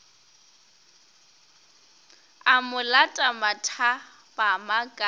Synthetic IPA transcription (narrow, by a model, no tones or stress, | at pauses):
amʊlatʼamatʰa | bamakʼa